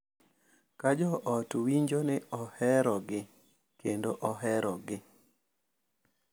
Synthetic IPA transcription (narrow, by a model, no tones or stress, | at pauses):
kad͡ʒɔʔɔtwiɲd͡ʒonɛɔhɛɾɔɡɪ | kendoʔɔɦɛɾɔɡɪ